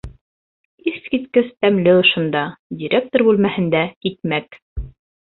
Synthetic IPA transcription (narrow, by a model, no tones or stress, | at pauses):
iskit̪kɘst̪æmlɘɤ̆ʃɤ̆nd̪ɑdʲiɾʲʔek̚t̪orbʉlmæhɘ̆nd̪æik̪mæk